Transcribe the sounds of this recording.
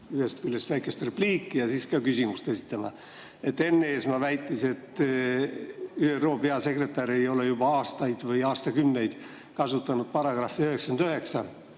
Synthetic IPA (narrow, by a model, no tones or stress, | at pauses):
yhest̪̚kylːest̪væjke̞st̪re̞pliːkːijɑsiːskɑkysʲimust̪e̞si̥t̪ˑːɑmɑ | e̞t̪ːe̞nːeeːsmɑvæjt̪ːˑise̞t̪ː | yːero̞ːpe̞ɑse̞kre̞t̪ːˑɑɾe̞jo̞le̞jubɑɑːst̪ɑjd̪̥vɤjɑːst̪ɑkymne̞jd̪̥ | kɑsut̪ːˑɑnud̪̥̚pɑrɑɡ̥rɑhfːiøhe̞ksɑnd̪øhe̞ksɑ